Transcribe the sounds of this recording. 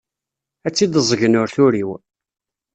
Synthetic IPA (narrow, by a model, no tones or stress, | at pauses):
æt͡sːid̪əzˤʝənʊɾθʊɾiw